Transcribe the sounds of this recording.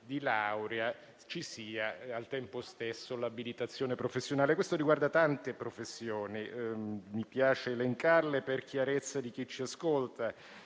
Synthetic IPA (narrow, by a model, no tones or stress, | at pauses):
d̪ilawɾea | t͡ʃisiːaalt̪ɛmpost̪esːolabilit̪at̪sːjoːnepɾofesːjonaːlekwest̪oɾiɡward̪at̪ant̪epɾofesːjoːnimipjaːt͡ʃeːleŋkarleperkjaɾet̪sːad̪ik̟it͡ʃːiaskolt̪a